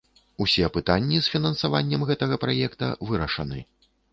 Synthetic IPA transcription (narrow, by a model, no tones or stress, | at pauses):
usʲɛɐpɨt̪anʲːisfʲinɐnsavanʲːɐmɣɛt̪ɐɣɐpɾajɛkt̪ɐ̰vɨɾɐʂɐnɨ̰